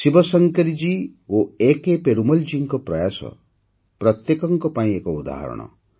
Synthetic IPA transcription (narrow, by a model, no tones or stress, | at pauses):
sibɔsɔŋkeɾid͡ʒi | oekepeɾumɔld͡ʒiŋkɔpɾɔjasɔ̰ | pɾʌt̪jekɔŋkɔpaĩekɔud̪a̰ɦɔ̰ɾɔ̰ɽ̃ɔ̰